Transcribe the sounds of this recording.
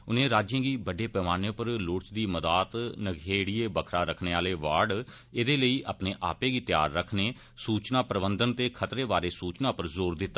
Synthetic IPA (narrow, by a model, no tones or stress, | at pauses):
ʊnẽːɾaːd͡ʒjẽːɡiːbəɖeːpɛːmaːnẽpəɾlʊːʈt͡ʃd̪iːməd̪aːt̪nəɡʱeːɽieːbəkʰɾaːɾəkʰneːaːleːʋaːɖ | ed̪eːləiːʔaːpneːʔa̰ːpẽːɡiːt̪ja̰ːɾːəkʰneː | suːt͡ʃnãːpɾəbənd̪ənt̪eːkʰət̪ɾeːbaːɾeːsuːt͡ʃnaːpəɾzoːɾd̪ɪt̪ːaː